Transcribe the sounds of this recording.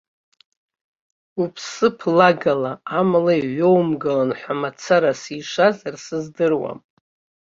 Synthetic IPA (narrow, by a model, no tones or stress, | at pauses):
upʰsɨpʰlaɡalaamlaiʕʷo̞wmɡalanħʷamat͡sʰaɾasiʂazarsɨzdɨrwa̰m